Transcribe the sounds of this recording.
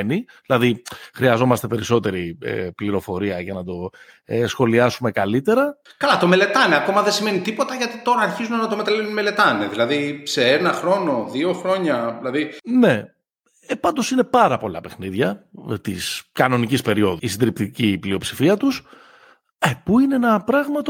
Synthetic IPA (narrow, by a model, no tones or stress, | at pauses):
niðilɐðixɾiɐzo̞mɐst̪epe̞ɾiso̞t̪e̞ɾiḛpliɾo̞fo̞ɾiɐʝɐnɐd̪o̞ | esxo̞liɐsume̞kɐlit̪e̞ɾɐkɐlɐt̪o̞mele̞t̪ɐneɐko̞mɐðesime̞nit̪ipo̞t̪ɐʝɐt̪it̪o̞ɾɐːɾçizumenɐt̪o̞met̪ɐleunme̞le̞t̪ɐneðilɐðise̞enɐxɾo̞no̞ðio̞xɾo̞ɲɐilɐðine̞ | epɐnd̪o̞sine̞pɐɾɐpo̞lɐ̰pe̞xniðʝɐt̪iskɐno̞nicispe̞ɾio̞ðuisid̪ɾipt̪iciplio̞psi̥fiɐt̪us | epuineenɐpɾɐɣmɐt̪o